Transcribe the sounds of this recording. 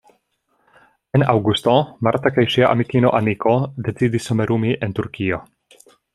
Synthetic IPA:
enawɡust̪omaɾt̪akajʃiaʔamikino̰ʔamikʰod̪e̞t͡sid̪isomeɾʔumiʔent̪uɾkʰio

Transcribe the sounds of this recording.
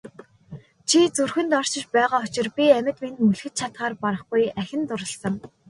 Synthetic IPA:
t͡ɕʰit͡surxɘ̆nt̪ɔr̥t͡ɕɪ̆t͡ɕpæːʁaːʊt͡ɕɪ̆rpʲiæmʲɪ̆t̪ment̪mɵɮxɘ̆t̪̚t͡ɕʰat̪χaːrpaɾə̆χɡujæxʲɪ̆nt̪ʊɾə̆ɬsə̆ŋ

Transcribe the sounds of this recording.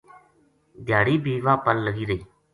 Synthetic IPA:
d̪ʱɪjaːɽiːbʱiːʋaːpəlləɡiːɾəiː

